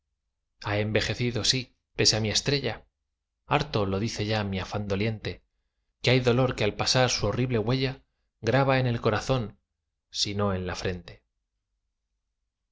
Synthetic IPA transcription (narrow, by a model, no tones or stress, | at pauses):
ae̞mbe̞xe̞θiðo̞si | pe̞seamie̞st̪ɾe̞ʎa | aɾt̪o̞lo̞ðiθe̞ʝamiafand̪o̞lje̞nt̪e̞ | keajðo̞lo̞ɾkealpasaɾsuo̞riβle̞ɣwe̞ʎa | ɡɾaβae̞ne̞lko̞ɾaθo̞n | sino̞e̞nlafɾe̞nt̪e̞̥